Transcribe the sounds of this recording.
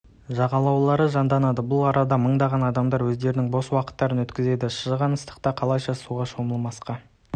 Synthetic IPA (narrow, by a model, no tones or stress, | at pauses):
ʒɑʁɑlˠɑwlˠɑɾəʒɑnd̪ɑnɑd̪əbʊlˠɑɾɑd̪ɑməɴd̪ɑʁɑnɑd̪ɑmd̪ɑɾwɵzd̪e̞ɾɪnɪŋbo̞swɑqə̥t̪ːɑɾənwɵt̪kʲɪze̞d̪ɪʃəʒʁɑnəst̪ə̥qt̪ɑqʰɑlˠɑjʃɑsuʁɑʃo̞məlˠmɑsqɑ